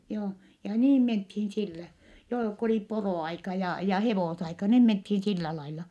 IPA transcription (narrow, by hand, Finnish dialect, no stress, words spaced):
joː jɑ niːm menthiːn silːæ joː ko oli poroˑɑikɑ jɑ jɑ heʋoˑsɑikɑ niːm menthin silːæ lɑilɑ